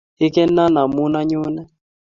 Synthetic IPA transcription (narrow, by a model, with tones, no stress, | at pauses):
ɪ˦kɛ˦na˦na˨mu˦na˦ɲʊ˦nɛ˦